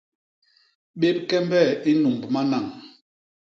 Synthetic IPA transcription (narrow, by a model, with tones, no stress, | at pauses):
ɓe˦pkɛ˦mbɛ˦˨i˦nu˨mbma˦na˨ŋ